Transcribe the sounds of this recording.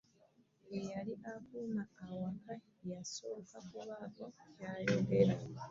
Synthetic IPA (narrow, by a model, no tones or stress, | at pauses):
ejaɾiʔakunaawaka | jasokakuβakojaːlebeɾa